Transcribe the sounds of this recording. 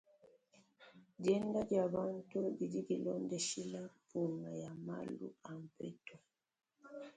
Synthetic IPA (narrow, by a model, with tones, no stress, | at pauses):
ɟɛ˦nda˦dja˨ba˦n˦tu˦di˨di˦ɡi˨lɔ˦ndɛ˨ʃi˦la˦pu˨na˨ja˨ma̰˦lṵ˦a˨m˨pɛ˦tɔ˨